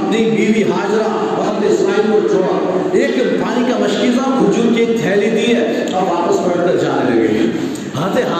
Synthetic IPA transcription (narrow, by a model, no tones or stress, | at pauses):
ɐpnibiːʋiɦaːd͡ʒɾa | ɔːɾɐpnesaːɪlkoɾd͡ʒoɽa | eːkpaːnikamɐʃkɪlaɡʊd͡ʒuɾkieːk̚d̪ʱɛːlid̪iɛ | ɔːɾaːpəsbɐʈkɐɾd͡ʒaːnelɐɡɐ̰ḭ | ɦɐt̪eɦ